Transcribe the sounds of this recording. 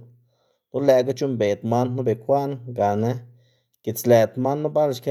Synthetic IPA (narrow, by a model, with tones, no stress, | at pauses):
lo˦le˨ɡa˦t͡ʃu˦mbe˨t̪ma˦nːu˦be˨kʰʷa˦ʔnɡa˨ne˦ | ɡ̥i˨t͡sle˨t̪ma˦nːu˦ba˦lʃke˦